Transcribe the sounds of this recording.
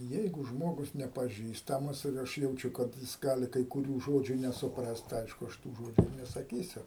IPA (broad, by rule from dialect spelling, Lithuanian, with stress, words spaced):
ˈjɛɪɡʊ ˈʒmoːɡʊs nʲɛpɐˈʒʲiːstɐmɐs ɪr ˈɐʃ jɛʊˈt͡ʃʲʊ kɐt ˈjɪs ˈɡɑːlʲɪ kɐɪ kʊˈrʲuː ˈʒoːd͡ʒʲuː nʲɛsʊ prɐst tɐɪ ˈɐɪʃkʊ ˈɐʃ tuː ˈʒoːd͡ʒʲʊ ɪr nʲɛsɐˈkʲiːsʲʊ